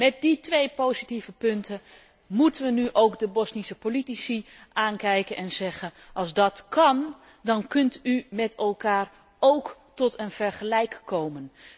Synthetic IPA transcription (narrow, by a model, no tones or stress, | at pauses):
mɛt̚ditʋejpowzitivəpʏntʰə | mutənʋənyʔowkdəbɔsnisəpolitisi | ʔaːnkɛjkənʔɛnz̥ɛɣənʔɑlˠzdɑtkʰɑn | dɑnkɵntymɛtɛlˠkaːr | owk | tɔtʰənv̥ɛɹχəlɛjkːowmən